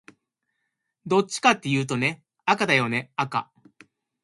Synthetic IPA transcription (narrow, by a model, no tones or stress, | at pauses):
d̪o̞t͡ɕːi̥kat̪ːe̞jɯ̟ːt̪o̞ne̞ | akad̪ajo̞ne̞aka̰